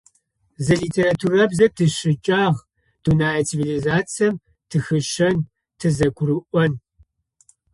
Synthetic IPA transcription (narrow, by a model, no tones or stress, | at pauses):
zɐɮiːtʰeːratʰuːrɐbzɐdʰɨʃɨt͡ʃʼaːʁ | d̥unaːɐt͡sʰivilizaːt͡sɐm | tʰɨxɨʃɐn | tʰɨzɐkʷʰʊɾɨʔʷɔn